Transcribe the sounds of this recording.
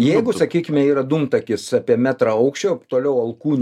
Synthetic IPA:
jɛɪɡʊsɐkʲiːkʲɪmʲɛiːɾɐd̪umt̪ɐkʲɪsɑːpʲiɛmʲæːt̪ɾɐɐʊkʃʲt͡ʃʲoːt̪oːlʲɛʊɐlˠkuːnʲ

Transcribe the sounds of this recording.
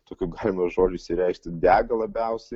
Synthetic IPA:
t̪oːkʲuːɡɑːlʲɪmɐʒoːd͡ʒʲʊiʃsʲɪɾʲɛˑɪkʃʲt̪ʲɪd̪ʲæːɡɐlˠɐbʲɛʊsʲɛ

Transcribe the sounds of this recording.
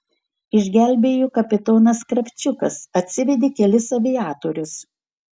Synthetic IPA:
ɪʒʲɡʲæˑlʲbʲeːjuːkɐpʲɪt̪oːnɐskɾɐpʲt͡ʃʲʊkɐsɐt̪ʲsʲɪʋʲɛd̪ʲeːkʲɛlʲɪsɐʋʲɪjæːt̪oːɾʲʊs

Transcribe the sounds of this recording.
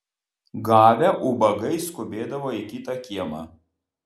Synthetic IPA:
ɡɑːʋʲɛʔubɐɡɐɪskʊbʲeːd̪ɐʋoːikʲɪt̪ɑkʲiɛmɑ̰

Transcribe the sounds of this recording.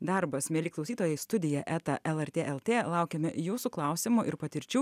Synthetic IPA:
d̪ɐɾbɐsmʲeːlʲiːklˠɐʊsʲiːt̪oːjɛɪst̪ʊd̪ʲɪjɛʔæːt̪ɐʔɛlˠɛɾʲt̪ʲeːʔɛlˠt̪ʲeːlˠɑˑʊkʲɛmʲɛ̰juːsuːklˠɑˑʊsʲɪmuʔɪɾpɐt̪ʲɪɾʲt͡ʃʲuː

